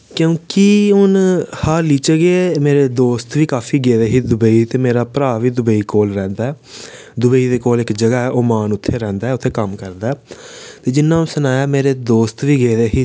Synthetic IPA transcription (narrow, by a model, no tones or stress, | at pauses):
kjõːkiʊnhaːliːt͡ʃəɡeːmeːɾeːd̪oːst̪ʋiːkaːfʰiːɡeːd̪eːɦiːd̪ʊbəiːt̪eːmeːɾaːpɾaːʋiːd̪ʊbəiːkoːlɾɛ̃ːnd̪aːɛː | d̪ʊbəiːd̪eːkoːlɪkd͡ʒəɡaːɛʔoːmaːnʊt̪ʰːeːɾɛ̃ːnd̪aɛʊt̪ʰːeːkəmkəɾd̪aɛːt̪eːd͡ʒɪnːãːsənaːjaːmeːɾeːd̪oːst̪ʋiːɡeːd̪eːɦiː